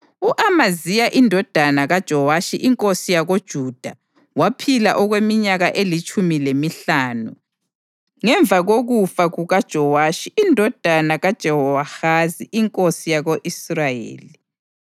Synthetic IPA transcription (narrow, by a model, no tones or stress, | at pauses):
uʔamazijaʔindʱɔd̥ʱanaɣad̥ʒ̥ʱɔwaʃiʔiŋkʼosijaɣod̥ʒ̥ʱuːd̥ʱa | wapʰilaʔɔɣwemiɲaɣaʔelit͡ʃʼumilemiɬaːnu | ŋɛɱvʱaɣoɣufaɣuɣad̥ʒ̥ʱɔwaːʃiʔːndʱɔd̥ʱanaɣad̥ʒ̥ʱɛhɔwaxaziʔiŋkʼosijaɣoʔisrajḛːli